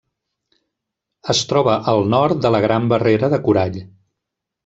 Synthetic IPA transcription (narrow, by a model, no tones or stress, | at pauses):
əst̪ɾɔβəʔəlˠnɔɾt̪̚d̪ələɣɾambəreɾəðəkuɾaʎ